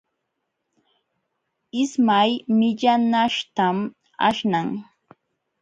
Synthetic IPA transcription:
ɪsmajmɪʎanaʂt̪am | a̰ʃnaŋ

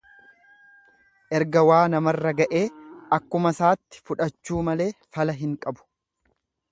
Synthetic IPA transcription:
ʔɛɾɡɐwaːnɐmɐrːɐɡɐʔe̞ːɐkːʊmɐsaːt̪ːɪ̥fʊᶑɐt͡ʃːuːmɐle̞ːfɐlɐɦɪŋkʼɐbʊ̥

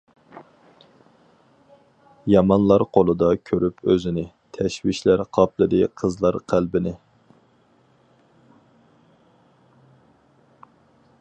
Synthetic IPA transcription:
jɑmɑnlˠɑɾqʰolˠɨd̪ɑkʲʰøɾypʰøzɪnɪ | t̪ʰɛʃwiʃlæɾqʰɑplˠɨd̪ɨqʰəzlˠɑɾqʰælbɪnɪ

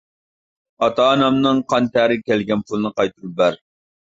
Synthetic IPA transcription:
ɑt̪ɑːnɑmnɨŋqʰɑnt̪ʰæɾɪkʲɛlɡʲɛnpʰʊlˠɨnɨqɑjt̪ʰuɾup̚bæɾ

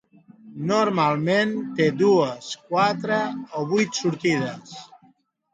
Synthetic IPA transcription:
nuɾmalˠment̪ed̪uəskwat̪ɾəoβujt̪suɾt̪iðəs

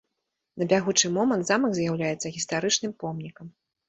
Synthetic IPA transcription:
nɐbʲaɣut͡ʂɨmɔmɐnt̪zamɐɡzjawlʲajɛt̪sːɐɣʲist̪aɾɨt͡ʂnɨmpɔmnʲikɐm

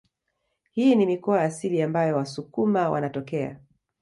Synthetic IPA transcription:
hiːnimikɔaasiliambajɔwasukumawʔa̰natɔkɛa̰

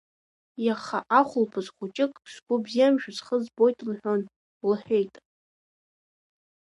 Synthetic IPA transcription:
jaχaʔaχʷʊlpʰɨzχʷʊt͡ʃʼɪkʼʂʷɡʷʊbzijamʒᶣazχəzbo̞jtʰʼnħʷᶣon | lɨħʷᶣejtʼ

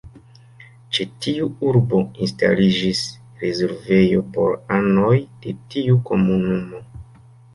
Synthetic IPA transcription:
t͡ʃetiuuɾbo̞insta̰lid͡ʒis | ɾezeɾve̞jo̞po̞̰ɾano̞jd̥e̞tiuko̞munumo̞

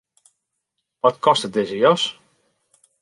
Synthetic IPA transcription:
ʋɔtkʰɔstət̚dɪzəjɔs

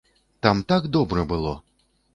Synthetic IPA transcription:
t̪amt̪aɡd̪ɔbɾɐbɨlˠɔ̰

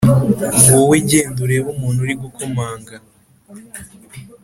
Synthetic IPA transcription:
woweɟeːnduɾeβumuːnhuɾiɡukʰomaːŋɡa

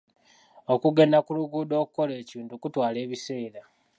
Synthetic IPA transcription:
o̞kuɡe̞nakuluɡuːdo̞ːkuko̞le̞ːciːndukutwaːle̞ːβise̞ːɾa

